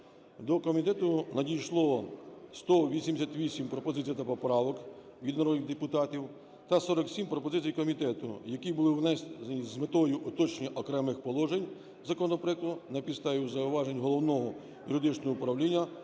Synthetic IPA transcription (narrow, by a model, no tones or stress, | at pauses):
d̪ɔkɔmʲit̪ɛt̪ʊnɐdʲijʃlˠɔst̪ɔʋʲisʲimd̪ʲesʲat̪ʋʲisʲimpɾɔpɔzɪt͡sʲijɐt̪ɐpɔpɾɑʋɔk | ʋʲid̪nɐɾɔd̪ɪɣd̪epʊt̪ɑtʲiw | t̪ɐsɔɾɔksʲimpɾɔpɔzɪt͡sʲijkɔmʲit̪ɛt̪ʊ̰jɐkʲibʊlˠɪwnɛizmet̪ɔjʊʔʊt̪ɔt͡ʃnʲiʔɔkɾɛmɪxpɔlˠɔʒenʲ | zɐkɔnɔpɾɛkt̪ʊnɐpʲist̪ɑjʲiwzɐʊʋɑʒenʲɦɔlˠɔwnɔɦɔ | jʊɾɪd̪ɪt͡ʃnɔɦɔʊpɾɐwlʲinʲːɐ